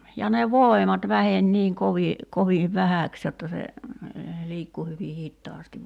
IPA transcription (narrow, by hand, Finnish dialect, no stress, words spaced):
jɑ ne ʋoˑemɑt ʋæhen niːŋ koʋi koʋiːʋ ʋæhæˑks jotːɑ se liːkːu hyʋi hitːɑːstiʋ